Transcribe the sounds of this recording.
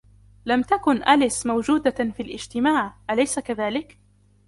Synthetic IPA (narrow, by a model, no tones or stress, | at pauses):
lamt̪akʊnʔalɪsmawd͡ʒuːd̪afilʔɪd͡ʒt̪ɪmaːʕʔalajsakaðaːlɪk